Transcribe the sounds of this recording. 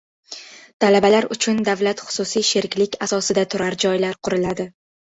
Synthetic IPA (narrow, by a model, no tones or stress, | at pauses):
t̪ʰalabalaɾʊt͡ʃʰʊnd̪avlat̪χʊ̥sʊsijʃeɾkʲlɪkʲasɒsɪd̪at̪ʰʊɾaɾd͡ʒɒjlaɾqʰʊɾɪlad̪ɪ